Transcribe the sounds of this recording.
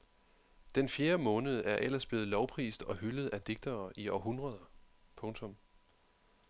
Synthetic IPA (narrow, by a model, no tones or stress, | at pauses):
d̥enfje̝ːɐmɔ̽ːnəð̞ˠʔæɐʔel̰ɐsb̥le̝ːð̩ˠlɒʊpʰʁḭːsd̥ɒ̽ɦyləð̞̩ˠʔæd̥e̝ɡ̥̚d̥ɐːʔiɒɦunʁɐð̞ˠɐ | pʰɔ̽ŋt͡sʰɔ̽m